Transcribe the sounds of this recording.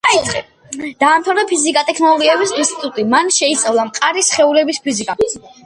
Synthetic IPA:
a | d̪̥aːmt̪ʰavɾd̪apʰizikʼat̪ʼɛkʰnɔlˠɔɡiɛbisinst̪ʼit̪ʼut̪ʼimanʃɛit̪sʼavlˠamqʼaɾisχɛulɛbispʰizikʼa

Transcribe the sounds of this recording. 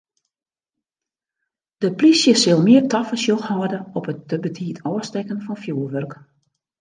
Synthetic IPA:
d̥əplisjəsɪlˠmɪərtʰɔfəsjoxhɔːdəɔpət̚dəbətʰiːətʰɔəstɛkənfɔnfjuːəʋørk

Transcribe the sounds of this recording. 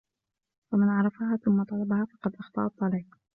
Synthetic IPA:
famɪnʕɑɾˤɑfaɦaːθʊmːɑt̪ˤɑlɑbahafɑqɑd̪ʔɑxt̪ˤɑ̰ːʔɑt̪ˤːɑliːq

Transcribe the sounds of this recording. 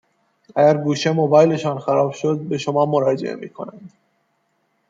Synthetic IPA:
æɟæɾɡuːʃe̞mobɒːjle̞ʃɒːnxæɾɒːbʃod̪̚be̞ʃomɒːmoɾɒːd͡ʒḛʔḛmḭːkʰonænd̪

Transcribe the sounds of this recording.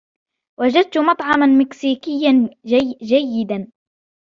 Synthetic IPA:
wad͡ʒad̪̚t̪ʊmɑt̪ˤʕɑmanmɪksiːkɪjːand͡ʒajːɪd̪an

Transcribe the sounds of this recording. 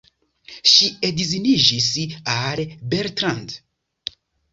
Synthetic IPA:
ʃiedizinid͡ʒisalbeɾtɾand

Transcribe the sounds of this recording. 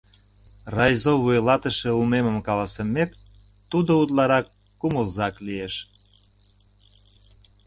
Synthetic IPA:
rɑjzoβujlɑt̪ə̆ʃĕumeməmkɑlɑsəmek | t̪ud̪out̪lɑɾɑkː | uməlzɑklieʃ

